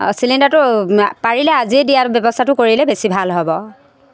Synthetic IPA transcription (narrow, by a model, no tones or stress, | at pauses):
silindatʊpaɹilɛaziɛdijabɛbɔstʰatʊkoɹilɛbesibʱalɦɔbɔ